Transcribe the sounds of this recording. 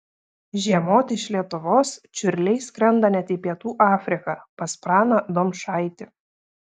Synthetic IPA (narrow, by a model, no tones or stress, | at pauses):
ʒʲiɛmoːt̪ʲɪɪʃlʲiɛt̪ʊʋoːst͡ʃʲʊɾʲlʲɛɪsʲkɾʲɛnd̪ɐnʲɛt̪ʲiːpʲiɛt̪uːʔɑːfʲɾʲɪkɐpɐspɾɑːnɐd̪oːmʃɑˑɪt̪ʲɪ